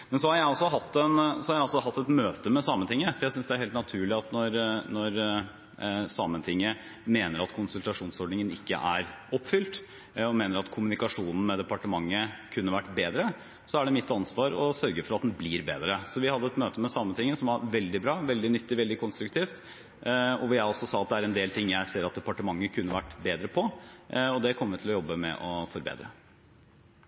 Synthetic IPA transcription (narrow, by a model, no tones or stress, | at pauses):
mɛnsɔhɑɾjæɪɑlsɔɦɑt̪ːɛnsɔhɑɾjæɪɑlsɔɦɑt̪ːɛt̪møːt̪əmɛsɑːmənt̪ʰɪŋːəfɔɾjæɪsʏnsd̪ɛæɾheːlt̪nɑt̪ʰʉːɭɪɑt̪nɔɾnɔɾ | sɑːmənt̪ʰɪŋːə | meːnəɾɑt̪kʰʊnsʉlt̪ɑʂuːnsɔɖɳɪŋənɪkːə̰ʔæɾɔpːfʏlt̪ | ɔmeːnəɾɑt̪kʰʊmʉnɪkɑʂuːnn̩mɛd̪ɛpɑʈəmɑŋːəkʰʉnːəʋæʈːbeːd̪ɾə | sɔæɖɛmɪt̪ːɑnsʋɑːɾɔsœɾɡəɾfɔɾɑt̪̚d̪n̩bliːɾbeːd̪ɾəsɔʋɪhɑd̪ːəɛt̪møːt̪əmɛsɑmːət̪ʰɪŋːəsɔmɑɾʋɛld̪ɪbɾɑːʋɛld̪ɪnʏt̪ːɪʋɛld̪ɪkʰɔnst̪ɾʉkt̪ʰiːft̪ | ɔʋɪjæɪɔsɔsɑːɑt̪̚d̪ɛæɾɛnd̪eːlt̪ʰɪŋːjæɪseːɾɑt̪̚d̪ɛpɑʈəmɑŋːəkʰʉnːəʋæʈːbeːd̪ɾəpʰɔɔd̪ɛkʰɔmːəʋɪt̪ʰɪlɔjɔbːəmɛ̰ʔɔfɔɾbḛːd̪ɾə